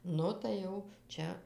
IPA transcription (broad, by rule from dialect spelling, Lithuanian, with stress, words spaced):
ˈnʊ tɐɪ ˈjɛʊ ˈt͡ʃʲɛ